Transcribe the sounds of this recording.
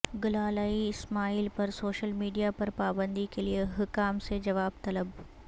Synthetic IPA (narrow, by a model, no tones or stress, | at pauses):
ɡʊlaːlaːiɪsmaːiːlpɐɾsoːʃəlmiːɖijapɐɾpaːbə̃nd̪ikelieɦʊkaːmsed͡ʒɐʋaːb̚t̪ɐləb